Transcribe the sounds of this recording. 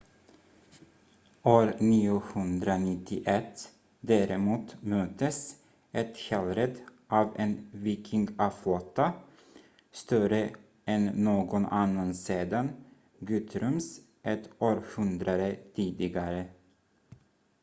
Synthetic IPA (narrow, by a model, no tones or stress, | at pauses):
oːɾniːʊhɵnd̪ɾanɪt̪ʰːɪʔɛt̪ː | d̪æːɾɪmuːt̪møːt̪əs | ʔɛt̪hɛːlɾɛd̪ʔɑːveːnviːkʰɪŋɡafloːt̪a | st̪œɾə | ɛnːoːɡɔnanːanseːd̪an | ɡʉːt̪ʰɾʉms | ʔɛt̪oːɾhɵnd̪ɾaɾət̪ʰiːd̪ɪɡaɾə